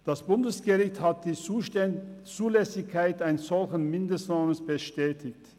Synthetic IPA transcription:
d̥asb̥ʊndəsɡ̥əʁɪçthat̚d̥iː | t͡suːlɛsɪçkʰːaɪtaɪnəsz̥ɔlçən̩mɪndəstnaːmənsb̥əʃtɛːtʰɪçt

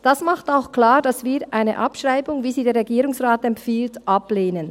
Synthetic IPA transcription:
d̥asmaχtaʊxkl̥aːdasv̥iːʔaɪnə̰ʔapʃʁ̥aɪbʊŋviːziːdeːɐɾʁɛɡiːɾʊŋsʁaːtɛmfiːltʔapleːnən

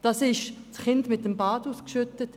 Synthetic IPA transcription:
d̥ɑsɪʃsχɪndmɪtːəmbɑːduːskʃʏtət

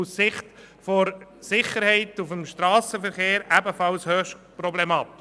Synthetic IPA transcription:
ussɪχt̪ | fɔɾsɪχəɾhɛɪtufəmʃtɾɑːsəfəɾχeːɾæbəfɑlshøʃtpɾɔblɛmɑːt̪ɪ

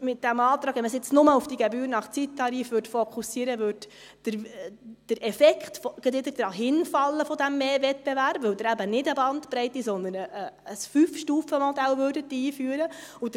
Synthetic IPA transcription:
mɪt̚d̥æmɑːt̪ɾɑːɡʋɛnməsɪt͡snʊməufd̥iɡɛbyːɾnɑχt͡sitʰːɑɾiːfʋʏɾtfɔkʰχusiːəɾəʋørd | d̥əɾd̥əɾʔɛfɛkχtfɔɡ̥ɛd̪ɪt̪əɾd̥əɾɑɦɪnfɑlːəfɔd̪æmːeːvɛt̚bɛværpʋɵwd̪əɾæbənɪdəbɑnt̪pɾɛɪtːisɔnd̪ənəːsfyfʃtuːfəmɔd̪æwʋøːrdətːiːfyːɾəud

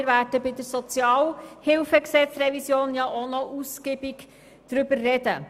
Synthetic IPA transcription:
ɾvæːdəbɪdəɾsɔt͡sjɑːlhɪlfəksɛt͡srɛvisjoːnjɑʔonɔʔuskibiɡ | d̥ɾʏbəɾːɛd̥ə̰

